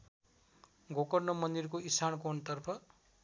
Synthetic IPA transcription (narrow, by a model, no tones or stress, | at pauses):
ɡʱokʌrnʌmʌnd̪irkoisʰankont̪ʌrpʰʌ